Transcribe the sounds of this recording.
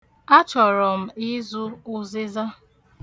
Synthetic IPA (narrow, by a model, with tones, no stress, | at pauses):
a˦t͡ʃɔ˨ɾɔ˨m̩˦i˦zu˦ʊ˦zɪ˦za˦